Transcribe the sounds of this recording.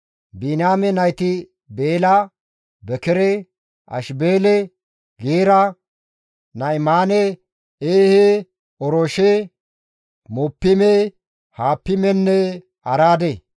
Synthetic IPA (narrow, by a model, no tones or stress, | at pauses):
binaːmɛnɐjt̪ɪ | beːlɐ | bɛkɛɾɛ | ʔɐ̰ʃbeːlɛ | ɡeːɾɐ | nɐɪmaːnɛ | eːhe | ɔɾɔʃe | mɔpːɪme | haːpːɪmɛnːɛ | ɐɾaːd̪e